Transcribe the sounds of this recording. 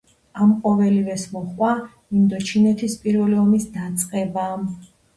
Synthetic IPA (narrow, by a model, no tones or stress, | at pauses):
amqʼɔvɛlivɛsmɔχwa | mind̪ɔt͡ʃʰinɛt̪ʰispʼiɾvɛliɔmisd̪at̪sʼqʼɛbam